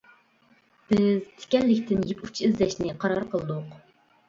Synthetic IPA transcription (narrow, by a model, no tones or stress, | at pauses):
b̥ɪz̥t̪ʰɪ̥kʲɛllːɪkʲt̪ʰɪnjiput͡ʃʰiizlɛʃnɪqʰɑɾɑɾqʰəlˠɨd̪ʊq